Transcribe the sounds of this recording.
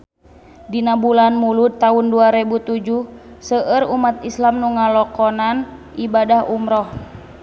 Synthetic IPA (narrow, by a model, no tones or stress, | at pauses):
dinabulanmulut̪ːaunduaɾɛbut̪ud͡ʒuhsəʔəɾumat̪islamnuŋalɔkɔnanʔibadahumɾɔh